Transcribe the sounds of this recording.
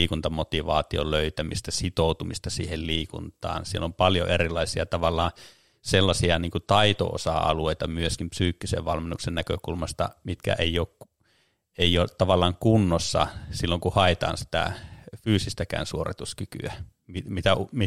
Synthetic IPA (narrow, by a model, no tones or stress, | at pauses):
iːkunt̪ɑmot̪iʋɑ̰ːt̪io̰løyt̪æmist̪æsit̪oˑut̪umist̪ɑsḭːhelliːkṵnt̪ˑɑ̰ːnsielompɑljo̰ʔerilɑisiɑt̪ɑʋɑlːˑɑː | selːɑsiɑniːŋkut̪ɑit̪o̰o̰sɑ̰ɑ̰lueˑit̪ɑmyøskimpsyːkːisḛʋʋɑlmenːuksennækø̰kulmɑst̪ɑ̰mit̪kæ̰ʔeiˑoːkk | eioːtt̪ɑʋɑlːˑɑːŋkunːosːɑ̰silːoŋkuhɑet̪ɑ̰ːnsi̥t̪æ̰fyːsist̪ækæ̰ːnsuorit̪uskyky̰æ | mimit̪æumi